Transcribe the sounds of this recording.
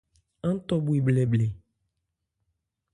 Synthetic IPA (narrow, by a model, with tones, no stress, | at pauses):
ɛ˦ŋ̩˦t̪ɔ˦bu˦i˨blɛ˨blɛ˨